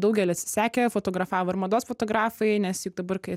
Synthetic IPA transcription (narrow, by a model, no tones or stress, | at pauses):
d̪ɐʊɡʲɛlʲɪɐt̪ʲsʲɪ̥sʲæːkʲɛfoːt̪oːɡɾɐfɑːʋoːɪɾmɐd̪oːsfot̪oːɡɾɑːfɐɪnʲɛsjʊk̚d̪ɐbɐrkɐɪ